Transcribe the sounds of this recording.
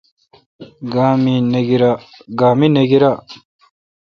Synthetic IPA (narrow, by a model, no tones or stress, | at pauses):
ɡaːmineɡiɾaɡaːmineɡiɾa